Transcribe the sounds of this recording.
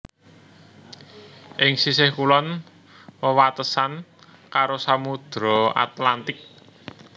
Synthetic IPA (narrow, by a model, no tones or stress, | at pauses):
ʔɪŋsisɪhkulɔn | wəwat̪əsan | kaɾosamud̪̥ɾɔa̰t̪lant̪ɪk̚